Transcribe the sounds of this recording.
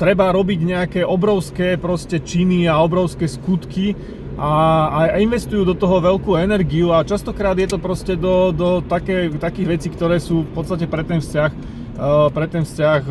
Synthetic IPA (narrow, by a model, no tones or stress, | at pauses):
t̪ɾɛbaɾɔbiɟɲɛakɛʔɔbɾɔʊskɛːpɾɔscɛt͡ʃiniaɔbɾɔʊskɛːskut̪ki | ʔainʋɛst̪ujuːd̪ɔt̪ɔɦɔʋɛlkuːɛnɛɾɡiuat͡ʃast̪ɔkɾaːd̪jɛt̪ɔpɾɔscɛd̪ɔd̪ɔt̪akɛːt̪akiːɣʋɛt͡siːkt̪ɔɾɛːsuːfpɔt̪t͡sst̪acɛpɾɛt̪ɛnfscax | pɾɛt̪ɛnfscax